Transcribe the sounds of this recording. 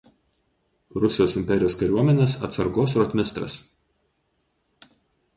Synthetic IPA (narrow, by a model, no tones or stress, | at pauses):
ɾʊsʲɪjoːsɪmʲpʲɛɾʲɪjoːskɐɾʲuɔmʲɛnʲeːsɐ̰t̪sɐɾɡoːsɾɔt̪ʲmʲɪst̪ɾɐ̰s